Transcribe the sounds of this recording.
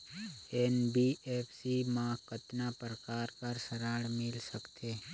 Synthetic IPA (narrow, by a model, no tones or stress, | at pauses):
eːnbieːpʰsimãkət̪napɾəkaːɾkɐɾsəɾaːɽmɪlsəkt̪ʰeː